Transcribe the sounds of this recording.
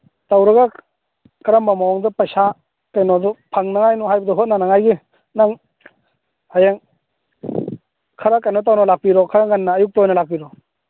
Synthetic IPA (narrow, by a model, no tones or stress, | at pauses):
tawɾɯɡa | kaɾamːamawaŋdɔpajsa | kajnɔdɔpʰaŋnaŋajnɔɦajbadɔɦɔt̚nanaŋajɡi | naŋ | hajaŋ | kʰaɾakajnɔt̬awnɔlak̚piɾɔkʰaɾaŋanːaːjuk̚tɔjnalak̚piɾɔ